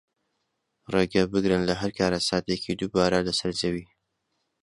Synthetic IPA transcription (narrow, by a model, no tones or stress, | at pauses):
reɡabɨɡɾənlaɦaɾkɑːɾasɑːt̪ekʰid̪ubɑːɾalasaɾd͡ʒawi